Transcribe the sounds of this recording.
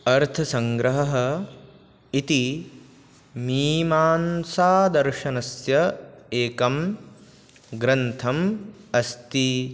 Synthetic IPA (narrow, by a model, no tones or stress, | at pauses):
ɐɾt̪ʰɐsɐ̃ŋɡɾɐɦɐɦɐ | it̪i | miːmaːnsaːd̪ɐɾʃɐnɐsjɐeːkɐm | ɡɾɐnt̪ʰɐm | ɐst̪i